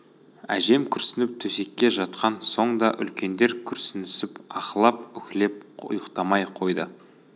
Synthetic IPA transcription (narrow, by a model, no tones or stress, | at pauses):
æ̰ʒe̞mkʲʰʏɾsɪnɪp̚t̪ʰɵse̞kʲːe̞ʒɑt̪qɑnso̞ɴd̪ɑʔʏ̰lkʲe̞nd̪e̞ɾkʲʰʏɾsɪnɪsɪpɑqəlˠɑp̚ʏkʲɪle̞p̚ʊ̰jəqt̪ɑmɑjqʰo̞jd̪ə